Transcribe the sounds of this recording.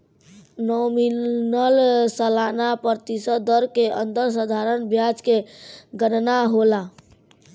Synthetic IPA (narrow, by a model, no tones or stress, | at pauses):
nominəlsəlanapəɾt̪isəd̪d̪əɾkeə̰nd̪əɾs̬əd̪ʱaɾənbjad͡ʒkeɡənnaɦola